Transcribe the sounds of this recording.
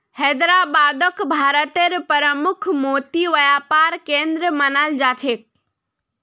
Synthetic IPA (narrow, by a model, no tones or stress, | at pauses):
hɛːd̪ɾaːbaːd̪əkbʱaːɾət̪eɾpəɾəmʊkʰmoːt̪iʋɐjaːpaːɾkẽːnd̪ɾəmɐnald͡ʒaːt̪ʰeːk̚